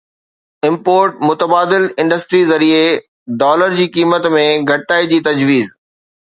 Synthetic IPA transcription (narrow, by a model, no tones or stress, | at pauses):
ɪ̃mpoːɾʈmʊt̪əbaːd̪ɪlɪ̃ɳɖəsʈɾizɐɾie | ɖɔːləɾd͡ʑiːkiːmət̪mẽɡʱɐɽɪt̪aːid͡ʑiːt̪ɐd͡ʑʋiːz